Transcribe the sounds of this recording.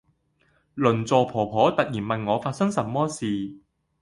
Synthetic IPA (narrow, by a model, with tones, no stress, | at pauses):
lɵ˨˩nt͡sɔː˨pʰɔː˨˩pʰɔː˨˥t̪ɐ˨t̚jiː˨˩nmɐ˨nŋɔː˨˧faː˧t̚sɐ˥ŋsɐ˨˩mːɔː˥siː˨